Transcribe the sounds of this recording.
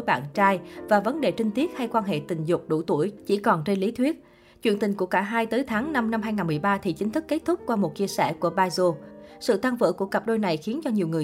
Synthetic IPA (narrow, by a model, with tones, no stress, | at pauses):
jɓa̰ː˧˨nt͡ɕaː˧jvaː˨˩və˨˦nɗe˨˩t͡ɕï˧ŋ̟t̪i˦˥ət̚ha˧jkwaː˧nɦḛ˧˨t̪ï˨˩ŋ̟zʊ˨˩k͡p̚ɗṵ˧˩t̪u˧˩əjt͡ɕḭ˧˩kɔ˨˩nt͡ɕe˧nli˨˦t̪ʰwi˦˥ət̚ | t͡ɕwḭ˧˨ənt̪ï˨˩ŋ̟ku˧˩əkaː˧˩ɦaː˧jt̪əː˨˦jt̪ʰaː˨˦ŋna˧mna˧mɦaː˧jŋaː˨˩nmɨ˨˩jɓaː˧t̪ʰi˨˩t͡ɕï˨˦ŋ̟t̪ʰɨ˦˥kːe˦˥t̚t̪ʰʊ˦˥k͡p̚kːwaː˧mo˨˩t̚t͡ɕi˧əsɛ̰˧˩ku˧˩əɓaː˧jzo˧sɨ̰˧˨t̪a˧ŋvə̰ː˧˨ku˧˩əkə˨˩p̚ɗo˧jna˨˩jxi˨˦ənt͡ɕɔ˧ɲi˨˩əwŋɨ˨˩ə